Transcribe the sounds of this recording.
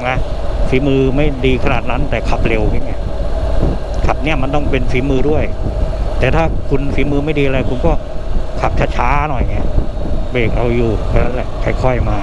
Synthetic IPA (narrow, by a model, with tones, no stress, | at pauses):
na˦˥fiː˨˦mɯː˧ma˥˩jdiː˧kʰa˧naː˨˩t̪̚na˦˥nt̪ɛː˨˩kʰa˨˩p̚le˧wkʰaː˥˩ŋa˦˥ɐ | kʰa˨˩p̚ni˥˩ɐma˧nt̪ɔ˥˩ŋpe˧nfiː˨˩˦mɯː˧du˥˩əjt̪ɛː˨˩t̪ʰaː˥˩kʰu˧nfiː˩˦˥mɯː˧ma˥˩jdiː˧ʔa˧a˧jkʰu˧nkɔː˥˩kʰa˨˩p̚t͡ɕʰa˦˥t͡ɕʰaː˦˥nɔ˨˩jŋi˦˥ɐbeː˨˩k̚ɾa˧wjuː˨˩ka˧˩na˦˥lɛ˨˩kʰa˧˩jkʰɔ˥˩jmaː˧